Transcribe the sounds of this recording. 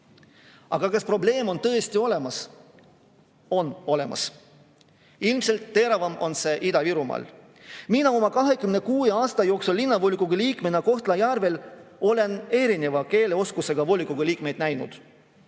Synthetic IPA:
ɑɡ̥ɑkɑspro̞ble̞ːmo̞nt̪ɤ̞est̪io̞le̞mɑs | o̞no̞le̞mɑ̰s | ilmse̞lt̪ːe̞ɾɑvɑmo̞nse̞ʔid̪̥ɑviɾumɑ̰ːl | minɑo̞mɑkɑɦe̞kymne̞kuːeɑːst̪ɑjo̞ːksulːinːɑvolʲikːuɡ̥uliːkˑmenɑko̞ht̪lɑjærve̞lo̞le̞ne̞ɾine̞vɑke̞ːle̞o̞skuse̞ɡ̥ɑvo̞likːuɡ̥uliːkme̞jd̪̥næjnṵd̪̥

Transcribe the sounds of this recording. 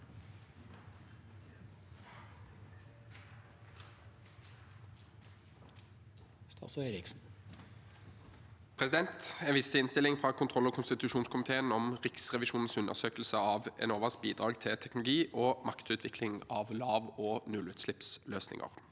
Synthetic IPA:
st̪ɑ̰sœɾɪksn | pʰʁɛsɪd̪ɛnt̪ɛnʋɪst̪əɪnst̪ɪlɪŋfʁɑːkʰʊnt̪ʰʁɔlːɔkʰʊnst̪ɪt̪ʉʃuːnskʰʊmɪt̪ʰeːənɔmʁɪksʁɛʋɪʃuːnn̩sʉnə̰ʁsøːkəl̩səɑːʋɛ̰noːʋəsk̚biːd̪ʁɑːɡt̪ʰɪt̪ʰɛknʊlʊɡiːʔoːmɑkt̪ʉːt̪ʰʋɪkʰlɪŋɑːʋlɑːʋoːnʉlʉːt̪slɪpsløːsnɪ̰ŋʔə̰ʁ

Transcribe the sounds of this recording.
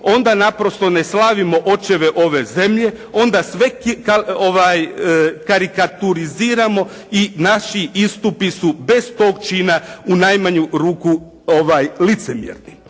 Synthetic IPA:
o̞nd̪anapɾo̞st̪o̞ne̞slaʋimo̞ʔo̞t͡ʃe̞ʋe̞ʔo̞ʋe̞ze̞mʎe̞ | o̞nd̪asʋe̞kkaoʋajkaɾikat̪uɾiziːɾamo̞ | inaʃiist̪upisube̞st̪o̞ːɡ̚t͡ʃinaunajmaɲuɾuːku | oʋaːjlit̪se̞mjḛɾni

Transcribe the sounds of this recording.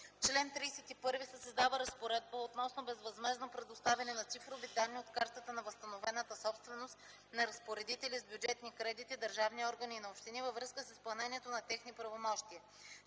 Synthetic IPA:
ft͡ʃlɛnt̪ɾiːsɛt̪ipɤɾvisəsəzd̪avəɾɐspoɾɛd̪̚bəot̪nɔsnobɛzvɐzmɛznopɾɛd̪ost̪avʲɐnɛnɐt̪sifɾovid̪anːiot̪kaɾt̪ət̪ənɐvəst̪ɐnovɛnət̪əsɔpst̪vɛnost̪ | nɐɾɐspoɾɛd̪it̪ɛlizbjud͡ʒɛt̪nikɾɛd̪it̪id̪əɾʒavniɔɾɡəniːnɐopʃt̪inivəvɾɤskəsispɐlˠnɛniɛt̪onɐt̪ɛxnipɾɐvomɔʃt̪iə

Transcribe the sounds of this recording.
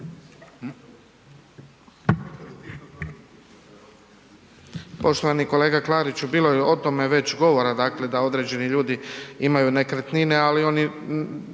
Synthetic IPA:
po̞ʃt̪o̞ʋaniko̞le̞ːɡaklˠaːɾit͡ɕubiːlo̞jeʔot̪o̞me̞ʋe̞t͡ɕɡo̞ʋo̞ɾad̪aːkle̞d̪ao̞d̪ɾe̞d͡ʑe̞niʎuːd̪iimajunekɾet̪nine̞alio̞ni

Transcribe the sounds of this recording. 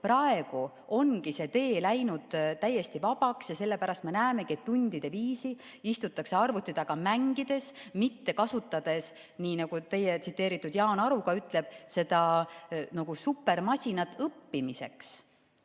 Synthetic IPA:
prɑe̞ɡ̥u | o̞nɡise̞t̪e̞ːlæjnud̪̥t̪æjːe̞st̪ivɑb̥ɑksjɑse̞lːe̞pæɾɑst̪me̞næːme̞kie̞t̪ːunʲd̪̥id̪̥e̞viːsi | ist̪ut̪ːˑɑkse̞ɑrvut̪ːˑid̪̥ɑɡ̥ɑmæŋɡid̪̥e̞smit̪ːe̞kɑsut̪ːˑɑd̪̥e̞s | niːnɑɡ̥ut̪e̞jːet̪sit̪ˑːe̞ːɾit̪ːˑud̪jɑːnɑɾuɡɑyt̪ːˑle̞b̥̚se̞d̪̥ɑnoɡ̥usupːe̞rmɑsʲinɑt̪ːˑɤpːimise̞̰ks

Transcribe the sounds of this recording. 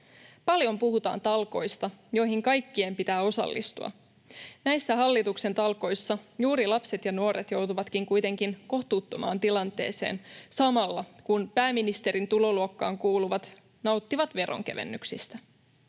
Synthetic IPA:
pɑljo̞mpuɦut̪ɑ̰ːnt̪ɑlko̞̰jst̪ɑjo̞jɦiŋkɑjkːiempit̪æːo̞sɑ̰lːʔḭst̪ṵɑ̰ | næjsːæɦɑlːit̪ukse̞nt̪ɑlko̞jsːɑjuːɾilɑpset̪jɑnuoɾet̪jo̞wt̪uʋɑt̪k̟iŋkujt̪e̞ŋkinko̞ht̪uːt̪ːomɑ̰ːnt̪ilɑnt̪e̞̰ːse̞̰ːnsɑmɑlːɑkunpæːminist̪e̞ɾint̪ulo̞luokːɑ̰ːŋkuːluʋɑt̪ | nɑuwt̪ːiʋɑt̪ʋe̞ɾʔo̰ŋk̟e̞ʋḛnːyksist̪æ

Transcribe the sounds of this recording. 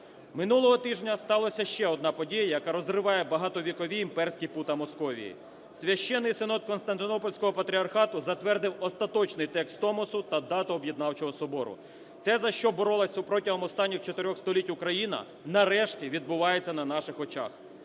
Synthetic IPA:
mɪnulˠɔɦɔt̪ɪʒnʲɐst̪ɑlˠɐsʲɐʃt͡ʃɛɔd̪nɑpɔdʲijɐjɐkɑɾɔzrɪʋɑjɛbɐɦɑt̪ɔʋʲikɔʋʲiːmpɛrsʲkʲiput̪ɐmɔskɔʋʲḭjḭ | sʲʋʲɐʃt͡ʃɛnːɪjsɪnɔt̪̚kɔnst̪ɐnt̪ɪnɔpɔlʲsʲkɔɦɔpɐt̪ɾʲiɐrxɑt̪ʊzɐt̪ʋɛrd̪ɪwɔst̪ɐt̪ɔt͡ʃnɪjt̪ɛkst̪ːɔmɔsʊt̪ɐd̪ɑt̪ɔːbʲjɪd̪nɑwt͡ʃɔɦɔsɔbɔɾʊ̰ | t̪ɛzɐʃt͡ʃɔbɔɾɔlˠɐsʲwpɾɔtʲiɦɔmɔst̪ɑnʲːixt͡ʃɔt̪eɾʲɔxst̪ɔlʲitʲukɾɐjinɐ̰ | nɐɾɛʃtʲiʋʲid̪̚bʊʋɑjet͡sʲːɐnɐn̪ɑʃɪxɔt͡ʃɑ̰x

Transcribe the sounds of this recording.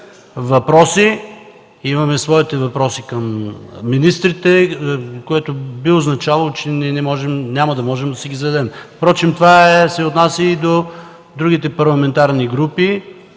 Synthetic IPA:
vɐpɾɔsi | imɐmɛsvɔit̪ɛvɐpɾɔsikɐmːinist̪ɾit̪ɛkoɛt̪obioznɐt͡ʃavɐlˠot͡ʃɛnɛnɛmɔʒɛmnʲamɐd̪ɐmɔʒɛmd̪ɐsiɡʲizɐd̪ɛmfpɾɔt͡ʃimt̪ovaɛsɛot̪nasʲəid̪o | d̪ɾuɡ̟it̪ɛpɐɾlˠɐmɛnt̪aɾniɡɾupi

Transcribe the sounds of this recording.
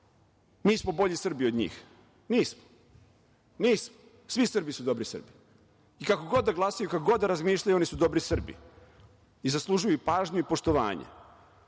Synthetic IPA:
miːsmo̞bo̞ʎisr̩bio̞d̪ɲḭːx | niːsmo̥ | niːsmo | sʋisr̩bisud̪o̞bɾisr̩bi̥ | ikako̞ɡo̞d̪ːaɡlˠasajukakoɡo̞d̪ːaɾazmiːʃʎajuo̞nisud̪o̞bɾisr̩bḭ | izaslˠuʒujupaːʒɲuipo̞ʃt̪o̞ʋa̰ːɲḛ

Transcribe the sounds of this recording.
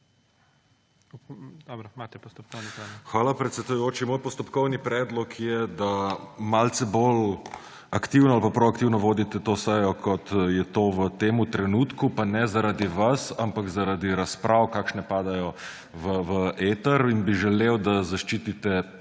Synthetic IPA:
d̪ɔbɾɔmat̪ɛpɔst̪ɔp̚konxʋaːlapɾɛt̪sɛd̪ujoːt͡ʃimoːjpɔst̪ɔpkɔwnipɾɛːd̪lɔkʰjɛd̪amalt̪sɛbol | akt̪iwnɔalpapɾoakt̪iwnɔʋoːd̪it̪ɛt̪oːsɛjɔkʰɔt̪jɛt̪oːʋət̪eːmut̪ɾɛnuːt̪kupanɛzaɾad̪iʋasampakzaɾad̪iɾaspɾʔawkaːkʃnɛpaːd̪ajɔ | ʋəʋəeːt̪əɾinbiʒɛlewd̪azaʃt͡ʃiːt̪it̪ɛ

